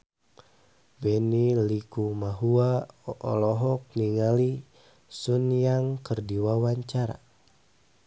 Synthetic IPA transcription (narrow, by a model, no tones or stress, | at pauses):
bɛnilikumaɦuaʔɔ̰lɔɦɔk̚niŋali | sunjaŋkərdiwawaɲt͡ʃaɾa̰